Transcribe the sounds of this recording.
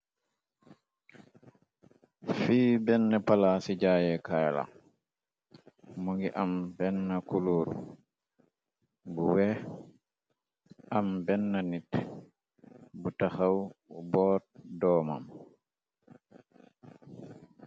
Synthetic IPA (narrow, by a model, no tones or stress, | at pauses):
fiːbɛnːɛpalasid͡ʒaːjɛkajla̰ | muŋɡiʔambɛnːakuluːɾṵ | buwɛ | ʔambɛnːanit | butahawbɔːtdɔːma̰m